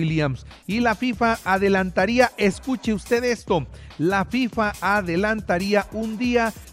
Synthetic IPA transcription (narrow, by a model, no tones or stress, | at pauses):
iljamsilafifaʔaðelant̪aɾiaʔeskut͡ʃeust̪eðest̪olafifaaðelant̪aɾiaʔund̪ia